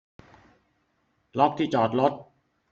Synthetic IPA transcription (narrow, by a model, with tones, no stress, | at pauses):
lɔ˦˥k̚t̪ʰiː˥˩t͡ɕɔː˨˩t̪̚lo˦˥t̪̚